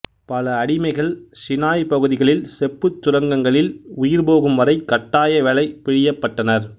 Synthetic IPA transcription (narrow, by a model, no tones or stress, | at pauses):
pɐlɐːɽɪmɐɪɣɐɭsɪnaːjpɐɣɯðɪɣɐɭɪlsɛpːɯt͡ʃːʊɾɐŋɡɐŋɡɐɭɪlʊjɪɾboːɣɯmʋɐɾɐɪkːɐʈːaːjɐʋɛɭɐɪpɪɻɪjɐpːɐʈːɐnɐɾ